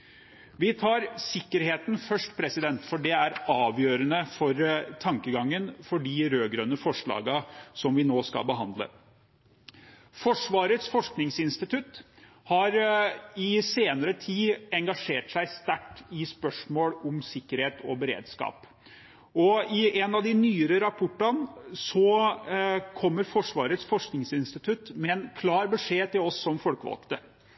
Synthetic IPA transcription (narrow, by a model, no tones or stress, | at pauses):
ʋɪt̪ʰɑːɾsɪkːəɾheːt̪n̩fœʂʈpʰɾɛsɪd̪ɛnt̪fɔɖɛæɾɑːʋjøːɾənəfɔɾt̪ʰɑŋkəɡɑŋːənfɔɖɪɾøːɡɾœnːəfɔʂɭɑ̰ːɡəsɔmʋɪnoːskɑ̰lbəɦɑnd̪lə̰ | fɔʂʋɑːɾət̪sfɔʂknɪŋsɪnst̪ɪt̪ʉt̪ | hɑɾɪseːnəɾət̪ʰiːɛŋɡɑʂeːʈsæɪst̪æʈːɪspœʂmoːlɔmsɪkːəɾheːt̪ʰɔbəɾḛːd̪skɑ̰ːp | ɔɪɛnɑd̪ɪnyːəɾəɾɑpʰɔʈːɑnsɔ | kʰɔmːəɾfɔʂʋɑːɾət̪sfɔʂknɪŋsɪnst̪ɪt̪ʰʉt̪mɛɛnkʰlɑːɾbəʂeːt̪ɪlɔsːɔmfɔlkəʋɑ̰lkt̪ə